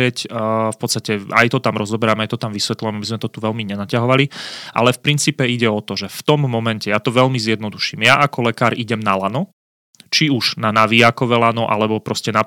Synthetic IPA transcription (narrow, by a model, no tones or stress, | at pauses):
ɛcfpɔt̪st̪acɛa̰jt̪ɔt̪amɾɔzɔbɛɾamɛajt̪ɔt̪amʋisʋɛt̪lujɛmabizmɛt̪ɔt̪uʋɛlmiɲɛnacaɦɔʋaliʔa̰lɛfpɾint͡siːpɛiɟɛɔt̪ɔʒɛft̪ɔmːɔmɛncɛjat̪ɔʋɛʎmizjɛd̪nɔd̪uʃimjaʔakɔlɛkaːɾiɟɛmnalanɔ | t͡ʃiuʒ̥nanaʋiakɔʋɛlanɔʔa̰lɛbɔpɾɔscɛna